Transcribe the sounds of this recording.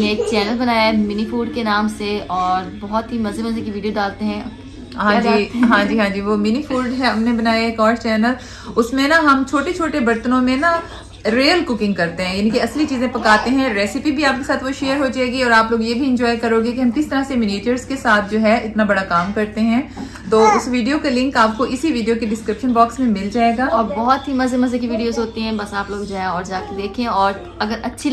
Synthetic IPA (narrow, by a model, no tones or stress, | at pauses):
neeːkt͡ʃɛːnəlbɐnaːjamɪnifuːɾɖ̚kenaːmseɔːɾbɔɦɔt̪ɦimɐzebʊ̃sẽkiʋiːɖijoɖaːlt̪eɦɛ̃ | ɦãːd͡ʒiɦãːd͡ʒiːɦãːd͡ʒiːʋomɪnifuːɾɖɦɛɦɐmnẽbɐnaːjaeːkɔːɾt͡ʃɛːnəl | ʊsmẽnɐɦɐmt͡ʃʰoːʈet͡ʃʰoːʈebɐɾt̪ənõmẽnɐ | ɾeːəlkʊkɪ̃ŋɡkɐɾt̪eɦɛ̃jaːnĩkiɐslit͡ʃiːzẽpɐkaːt̪eɦɛ̃ɾɛːsɪpibʱiaːp̚kesaːt̪ʰʋoʃeːəɾɦod͡ʒaːeːɡiɔːɾaːploːɡjebʱiɪ̃ɲd͡ʒɔːɪkɐɾoːɡekiɦɐ̃mkɪst̪ɐɾasemɪneːʈəɾzkesaːt̪ʰd͡ʒoːɦɛʔɪt̪nabɐɽakaːmkɐɾt̪eɦɛ̃ | t̪oːʊsʋiːɖijokalɪ̃ŋkaːp̚koʔɪsiʋiːɖijokeɖɪskɾɪpʃənbɔːksmẽmɪld͡ʒaːeːɡaːɔːɾbɔɦɔt̪ɦimɐzemɐzekiʋiːɖijoːzɦoːt̪iɦɛ̃bɐsaːploːɡd͡ʒaːɦɛɔːɾd͡ʒaːked̪eːkʰẽɔːɾ | ɐɡəɾɐtːʃʰi